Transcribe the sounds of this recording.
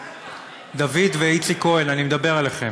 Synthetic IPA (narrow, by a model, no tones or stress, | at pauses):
d̪avid̪veit͡siko̞elanimed̪abe̞ʁaleχe̞